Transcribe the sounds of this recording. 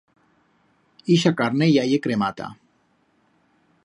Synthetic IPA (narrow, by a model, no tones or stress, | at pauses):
iʃakaɾnejajekɾemat̪a̰